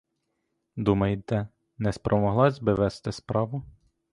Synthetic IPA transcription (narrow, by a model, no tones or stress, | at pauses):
d̪umɐjɪt̪ɛ | nɛspɾʔɔmɔɦlˠɑzʲbɪʋɛst̪ɪspɾɑʋʊ